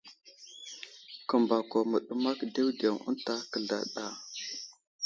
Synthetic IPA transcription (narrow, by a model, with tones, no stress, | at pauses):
kə˨mba˨ko˨mə˨ɗə˦ma˦kde˦wde˨ŋə̰˦nta˦kə˨ɮa̰˨ɗa˨